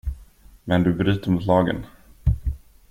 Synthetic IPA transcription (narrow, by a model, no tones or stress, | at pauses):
mɛnd̪ɵbɾyːt̪əɾmʊt̪lɑːɡə̰n